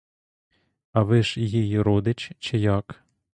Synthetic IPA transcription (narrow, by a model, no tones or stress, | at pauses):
ɐʋɪʃjijiɾɔd̪ɪt͡ʃt͡ʃɛjɑk